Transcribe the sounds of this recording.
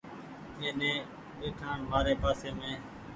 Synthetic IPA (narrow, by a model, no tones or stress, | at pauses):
ẽːnẽː | ʋeːʈʰaːɳʋaːɾeːpaːseːmẽː